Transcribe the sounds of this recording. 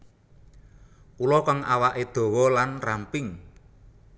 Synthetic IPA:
ulɔkaŋawaʔed̪̥o̤wɔlanrampɪŋ

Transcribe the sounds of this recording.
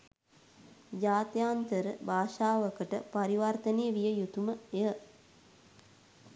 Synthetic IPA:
d͡ʒaːt̪jaːnt̪əɾəbaːʃaːʋəkəʈə̰paɾiʋart̪ənejəʋijəjut̪uməeə

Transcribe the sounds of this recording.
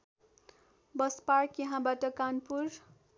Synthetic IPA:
bʌsparkjʌɦãbaʈʌkanpuɾ

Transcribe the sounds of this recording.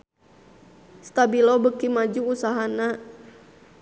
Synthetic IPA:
st̪abilɔbəkimad͡ʒuusaɦana

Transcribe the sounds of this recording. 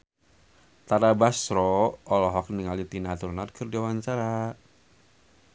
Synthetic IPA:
t̪aɾabasɾɔɔlɔɦɔk̚niŋalit̪inat̪urnarkʰɨrd͡ʒawaɲt͡ʃaɾa

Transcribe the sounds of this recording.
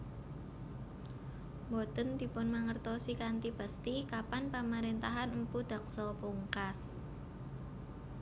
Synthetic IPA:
mbɔt̪ənd̪̥i̤pʊnmaŋərt̪ɔsikant̪ibəst̪ikapanpamaɾent̪aɦanəmpud̪̥a̤k̚sɔpuŋkas

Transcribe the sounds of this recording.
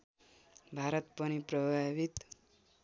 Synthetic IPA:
bʱaɾʌt̪pʌnipɾʌbʱabit̪

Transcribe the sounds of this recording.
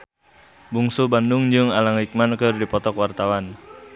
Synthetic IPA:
buŋsubandʊŋd͡ʒɨŋalaŋlik̚mankɨrdipɔt̪ɔkwart̪awan

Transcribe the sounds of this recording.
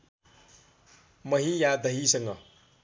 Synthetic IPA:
mʌɦijad̪ʌɦisʌŋɡʌ̰

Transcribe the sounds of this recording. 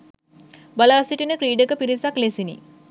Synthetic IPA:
balaːsiʈinəkɾiːɖəkəpiɾisaklesinḭ

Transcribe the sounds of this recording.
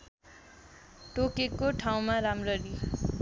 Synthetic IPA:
ʈokekoʈʰaw̃maɾamrʌɾi

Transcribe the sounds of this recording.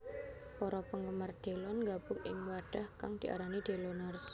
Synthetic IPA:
pɔɾɔpəŋɡəmard̪̥e̤lɔnŋɡab̥ʊkɪŋwaɖ̥a̤hkaŋd̪̥i̤ʔa̰ɾanid̪̥e̤lɔnars

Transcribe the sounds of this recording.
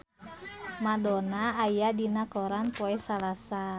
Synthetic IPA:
madɔnaːjadinakɔɾanpɔɛsalasa

